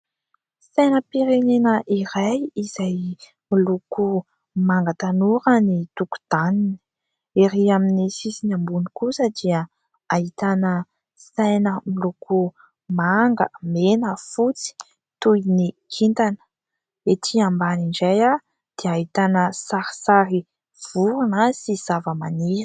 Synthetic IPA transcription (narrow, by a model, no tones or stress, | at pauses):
sajnəpiɾenenəʔiɾajizaj | miluku | maŋɡət̪anuɾənit̪uku̥d̪̥anin | eɾiaminisisinambunikusəd̪iə | ait̪anə | sajnəmiluku | maŋɡəmenəfut͡si̥ | t̪ujnikʰint̪anə̥ | et̪ʰiambaniɳd͡ʒaja | d̪̥eaɦit̪anəsaɾi̥saɾi | v̥uɾunasiz̥avəmani̥